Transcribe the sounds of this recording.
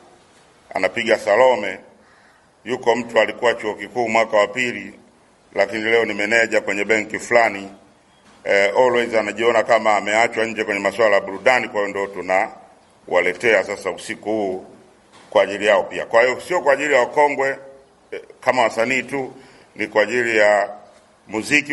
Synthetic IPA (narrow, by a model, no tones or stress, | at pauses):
a̰napiɡasalɔmɛ | jukɔm̩tualikuwat͡ʃuɔkikuːmwakawapili | lakinilɛɔnimɛnɛʄakwɛɲɛɓɛŋkifulani | ɔlwɛzanaʄiɔnakamaːmɛat͡ʃwaɲ̩d͡ʒɛkwɛɲɛmaswalajaɓuɾuɗanikwahiɔndiɔtuna | walɛtɛasasausikuhuː | kwaːʄilijaɔpia̰kwahijɔsiɔkwaːʄilijawakɔŋɡwɛ | kamawasaniːtu | nikwaːʄilija | muziki